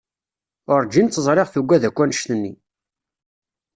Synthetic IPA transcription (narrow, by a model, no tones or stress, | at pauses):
ʊɾˤd͡ʒint̪t͡sːəzˤɾˤeʁθuɡʷːæðækʷːænʃt̪ənːḭ